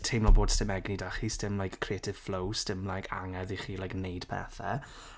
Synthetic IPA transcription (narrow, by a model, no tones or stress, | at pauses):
tʰejmlɔboːd̥stɪmɛɡnidaχiːstɪmlˠajkʰːr̥ietʰɪv̥flowstɪmlˠajkʰa̰ŋɛðiχiːlajknejd̥pʰɛ̰θɛ̰